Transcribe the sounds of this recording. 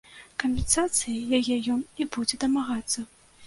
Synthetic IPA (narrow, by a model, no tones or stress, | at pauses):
kɐmʲpʲɛnsat̪sɨjijajɛjɔnibud͡zʲɛd̪ɐmaɣat̪sːɐ